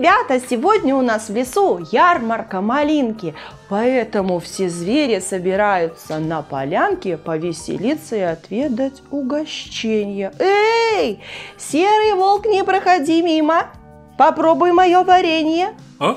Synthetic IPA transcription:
ɪbʲat̪əsʲɪvodʲnʲəʊnasvlʲɪsujarmərkəmɐlʲinkʲɪpɐɛt̪əmʊfsʲezvʲeɾʲɪsəbʲɪɾajʊt̪sənəpɐ̰lʲankʲɪpəvʲɪsʲɪ̰lʲit̪sːəɪɐt̪vʲe̞d̪ətʲʊɡɐɕt͡ɕːenʲɪjəejsʲeɾɨjvo̞lˠknʲɪpɾəxɐdʲimʲimə | pɐpɾobʊjmɐjovɐɾʲenʲɪjə

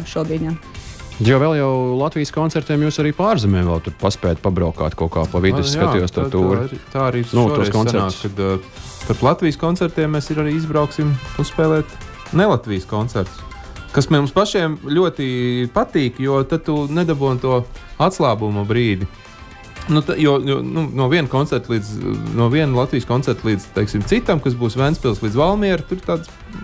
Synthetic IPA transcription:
ʃuɔd̪iɲḁet̪jawʋɛlˠjawlˠat̪ʋijskɔnt̪sɛɾt̪iɛmjuːsaɾiːpaːɾzɛmɛːmvɛ̰lˠt̪ud̪̚paspɛːd̪̚pabɾaʊka̰ːt̪koːka̰ːpavid̪ɛsːkaijuɔst̪at̪uːɾt̪aːaɾiːnutːɾuɔskɔnsasɛɾnaːkkad̪ | p̪aɾlˠat̪ʋiːjskɔnt̪sɛɾt̪iɛmːɛsiɾaɾiːizbɾaʊksimusspɛːlˠɛːt̪ | nɛlˠat̪ʋijskɔnt̪sɛɾt̪ʊ̥s | kasmɛnmspaʃiɛmlʲuɔt̪ipat̪iːkjuɔt̪at̪unɛd̪abuɔnt̪uɔat̪slˠaːbumubɾiːd̪ʲi | nut̪jujununuɔviɛnkɔnsɛɾt̪lˠiːd̪znuɔviɛnlˠat̪ʋiːskɔnsɛɾt̪lˠiːd̪z̥t̪ɛɪksimt̪sit̪amkas̬buːsʋænsʲpʲilˠslˠiːd̪zvalˠmiɛɾt̪uɾt̪aːd̪s

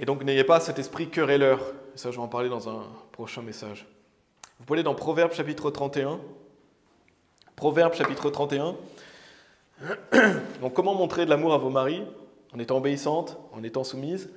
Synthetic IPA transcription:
ed̪ɔ̃knejepasɛt̪ɛspχikʲœʁelœʁesaʒəvɑ̃paʁled̪ɑ̃zɛ̃pχɔʃɛ̃mesaʒ | vupaled̪ɑ̃pχɔvɛʁbʃapit̪χət̪χɑ̃t̪eɛ̃ | pχɔvɛʁbʃapit̪χət̪χɑ̃t̪eɛ̃ | d̪ɔ̃kːɔmɑ̃mɔ̃t̪χed̪əlamuʁavomaʁi | ɑ̃net̪ɑ̃ɔbeisɑ̃t̪ɑ̃net̪ɑ̃sumiz

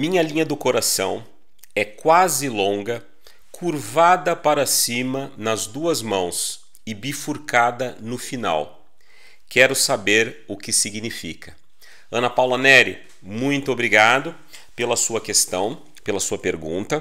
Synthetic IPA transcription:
mĩɲɐlĩɲɐd̪ʊkoɾasɐ̃w̃ | ɛkwazɪlõɡɐ | kʰuɾvad̪ɐpaɾɐsĩmɐnɐzd̪uɐzmɐ̃w̃s | ɪbifuɾkad̪ɐnʊfina̰w | kɛɾʊsabeɾʊkɪsiɡnifḭkʰɐ̥ | ɐ̃nɐpawlɐnɛɾɪ̰ | mũj̃t̪ʊobɾiɡad̪ʊ | pelɐsuɐkest̪ɐ̃w̃ | pelɐsuɐpeɾɡṵ̃nt̪ɐ

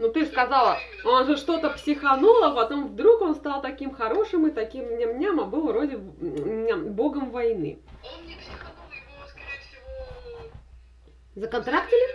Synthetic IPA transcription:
nut̪ɨskɐzɑlˠ | onʐɨʂt̪o̞t̪əpsʲɪxɐnolˠəpɐt̪o̞mvd̪ɾuko̞nst̪ɑlˠt̪ɐkʲimxɐɾo̞ʂɨmɨt̪ɐkʲimnʲɪmnʲamɐbɨlˠvɾo̞dʲɪ | bo̞ɡəmvɐjnɨ̰ | zəkɐnt̪ɾaktʲɪlʲɪ

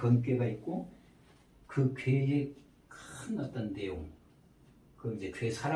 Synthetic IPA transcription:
kʌnkeɡait̚k͈ːo | kʰɯkʰwed͡ʑe | knʌt͈ʌndejoŋ | kɯmd͡ʑekʰesʰaɾa

